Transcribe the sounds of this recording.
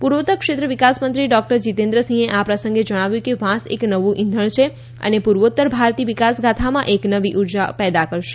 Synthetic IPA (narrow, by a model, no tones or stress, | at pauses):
puɾʋot̪əɾkʃet̪ɾəʋikasmənt̪ɾiɖɔk̚ʈəɾd͡ʒit̪end̪ɾəsĩeʔapɾəsə̃ŋɡed͡ʒə̃aʋjũkeʋãsḛknəʋũʔɪ̃nd̪ʱəɭ̃t͡ʃʰe | ə̰nepuɾʋot̪ːəɾbʱaɾt̪iʋikasɡat̪ʰamãʔeknəʋiʔuɾd͡ʒa̰pɛd̪akəɾʃe̥